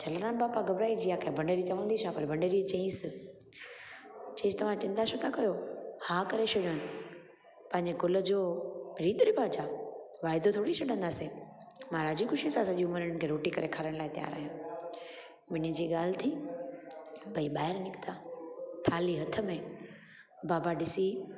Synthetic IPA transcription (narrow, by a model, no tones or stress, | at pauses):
d͡ʑʰɐlɾaːnbaːpaɡɐʋɾaːid͡ʑiːaːkʰebʱɐ̃ɳɖeːɾit͡ɕɐʋə̃nd̪iʃʰapɐɾbʱɐ̃ɳɖeːɾit͡ɕẽːs | t͡ɕẽːzt̪ɐʋ̤ãt͡ɕɪ̃nd̪at͡ɕʰot̪ʰakɐjohakɐɾeʃʊɽəɽ̃ | pɐ̃ɦɪ̃ɲd͡ʑekʊlə̆d͡ʑoːɾiːd̪ʊɾibaːd͡ʑaːʋaːɪd̪ot̪ʰoːɽit͡ɕʰɐɗə̃nd̪aːse | mãɾaːd͡ʑikʊʃisãsɐʄiʊməɾənɪ̆kʰeːɾoːʈikɐɾekʰaːɾəɽ̃laːɪt̪ija̰ːɾa̰ːɦjãː | mɪnid͡ʑiːɠaːl̤t̪ʰi | bʱɐiɓaːɦɪɾnɪkt̪at̪ʰaːliɦɐt̪ʰə̆mẽ | baːbaɗɪsi